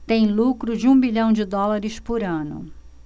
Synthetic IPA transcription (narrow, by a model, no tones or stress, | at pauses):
t̪ẽj̃lukɾʊd͡ʒɪũbiʎɐ̃w̃d͡ʒɪd̪ɔlaɾɪspʊɾɐ̃nʊ̰